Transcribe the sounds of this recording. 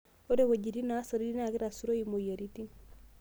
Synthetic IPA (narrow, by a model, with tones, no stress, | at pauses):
o˦de˦wa˨ɟi˨di˦na˦so˨ɾi˦di˦na˨ki˦ɾa˨su˦ɾo˦imoja˨ɾiti˦n